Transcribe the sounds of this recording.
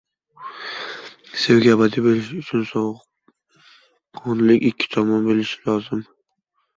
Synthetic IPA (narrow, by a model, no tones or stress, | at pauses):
sewɡʲaabad̪ɪbelɪʃʊt͡ʃʰʊnsɒ | qʰɒnlɪkʲɪkʲʰːɪ̥t̪ʰɒmɒnbelɪʃɪ̥lɒzɪm